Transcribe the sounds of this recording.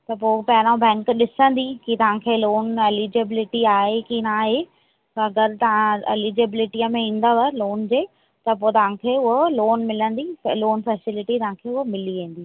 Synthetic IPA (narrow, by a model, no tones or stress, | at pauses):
t̪ɐpoːpɐɦɪɾ̃õbɛ̃ːŋkɗɪsə̃nd̪ikit̪ɐʋ̤ãkʰeːloːnelid͡ʑɪbɪlɪʈiaːɦekinaːɦe | t̪ɐɐɡəɾt̪ɐʋãelid͡ʑɪbɪlɪʈiəmẽĩːn̆d̪aʋɐloːnd͡ʑeː | t̪ɐpoːt̪ɐʋ̤ãkʰeːʊɦoloːnmɪlə̃nd̪iloːnfɛːsɪlɪʈit̪ɐɦãkʰeːʊɦomɪliʋẽːn̆d̪iː